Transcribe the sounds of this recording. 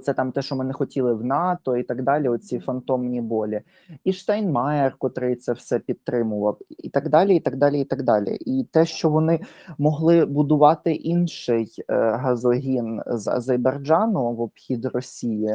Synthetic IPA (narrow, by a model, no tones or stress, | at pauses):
t̪sɛt̪ɑmt̪ɛʃt͡ʃɔmɛnɪxɔtʲilˠɪwnɑt̪ɔit̪ɐɡd̪ɑlʲiɔt̪̚t͡sʲifɐnt̪ɔmnʲibɔlʲi | iʃt̪ɑjnmɑjerkɔt̪ɾɪt̪sɛwsɛpʲid̪̚t̪ːɾɪmʊʋɐwḭt̪ɐɡd̪ɑlʲiit̪ɐɡd̪ɑlʲiit̪ɐɡd̪ɑlʲḭʔit̪ɛʃt͡ʃɔʋɔnɪmɔɦlˠɪbʊd̪ʊʋɑt̪ɪʔinʃɪjɦɐzɔɦʲinzɐ̰zɐjbɐrd͡ʒɑnʊʋɔbxʲid̪rɔsʲiji